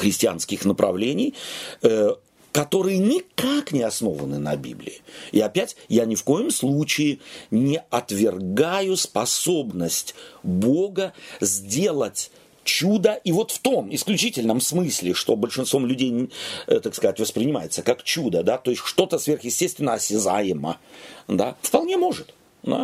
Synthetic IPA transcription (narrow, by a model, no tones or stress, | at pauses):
xɾʲɪsʲtʲɪa̰nskʲɪxnəpɾɐ̰vlʲenʲɪjə | kɐt̪o̞ɾɨjənʲɪkaknʲɪɐsno̞̰və̰nɨnɐ̰bʲḭblʲɪ̰ɪɪɐpʲætʲjanʲɪfko̞jɪmslˠut͡ɕɪɪnʲɪɐt̪vʲɪrɡajʊspɐso̞bnəsʲtʲboɡəzʲdʲe̞lˠətʲ | t͡ɕud̪əʔivo̞t̪ft̪o̞mɪsklʲʉt͡ɕitʲɪlʲnəmsmɨsʲlʲɪʂt̪o̞bəlʲʂɨnst̪vo̞mlʲʉdʲejt̪akskɐzatʲvəspɾʲɪnʲɪma̰jɪt̪səkakt͡ɕud̪əd̪at̪o̞ɪsʲtʲʂt̪o̞t̪əsvʲe̞rxjɪsʲtʲest̪vʲɪnːəɐsʲɪza̰jɪmə̰d̪a̰fpɐlˠnʲe̞mo̞ʐɨt̪ | d̪a̰